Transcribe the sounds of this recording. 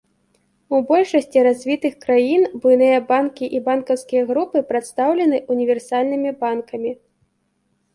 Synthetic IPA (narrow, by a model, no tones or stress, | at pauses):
ubɔlʲʂɐsʲt͡sʲiɾazʲvʲit̪ɨxkɾajinbujnɨjɐbankʲiʔibankɐwskʲijɐɣɾupɨpɾat̪st̪awlʲɛn̪ɨʔunʲivʲɛrsalʲnɨmʲibankɐmʲi